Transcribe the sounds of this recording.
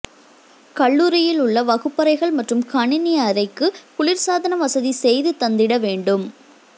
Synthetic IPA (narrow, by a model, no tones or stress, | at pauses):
kɐɭːuːɾɪjɪlʊɭːɐʋɐɣɯpːɐɾɐɪɣɐɭmɐʈrɯmkɐɳɪnɪjaːɾɐɪkːɯpʊɭɪɾsaːðɐnɐʋɐsɐðisɛjðɯt̪ɐnd̪ɪɽɐʋeːɳɖɯm